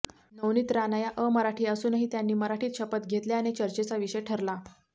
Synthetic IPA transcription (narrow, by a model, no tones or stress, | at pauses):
nəwniːt̪ɾanəjaʔəməɾaʈʰiːəsuːnəɦiːt̪janːiːməɾaʈʰiːt̪ɕəpət̪ɡʱet̪leañet͡ɕəɾt͡ɕet͡saʋiɕəjʈʰəɾla